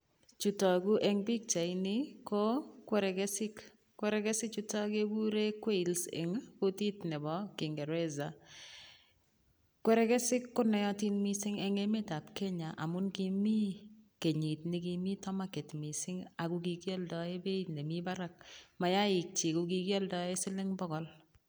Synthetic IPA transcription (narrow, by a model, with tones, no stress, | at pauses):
t͡ʃu˨tɔ˨a˨ɡu˦ʔe˦ŋbi˦k̚t͡ʃa˨i˦nɪ˦ko˦kwɛ˦ɾɛ˨ke˦sɪ˦k | kwɛ˦ɾɛ˦kɛ˦sɪ˦t͡ʃu˦ta˦ke˦bu˦ɾe˦kwe˦i˨lsḛ˨ŋko˦ti˦tnɛ˨bɔ˨kɪ˨ŋɡɛ˨ɾɛ˦za˨ | kwɛ˦ɾɛ˦kɛ˦sɪ˦kːʊ˦nɛ˨jɔ˦ti˦nmi˦sɪ˦ŋɛ˦ŋe˦me˦ta˨tkɛ˦ɲa˨ʔa̰˨mʊ˦nki˦mi˦ke˨ɲi˨tnɪ˨kimi˦tɔ˦ma˦kɪ˨tmi˨sɪ˦ŋa˨ku˧ki˧kjɔ˦ldɔ˨e˦be˦itne˨mi˦ba˦ɾa˨k̚ma˨ja˦ɪ˨k̚t͡ʃi˨ku˨ki˦kjɔ˦ldɔ˨e˦sɪ˦lɪ˦ŋbɔ˦kɔ˨l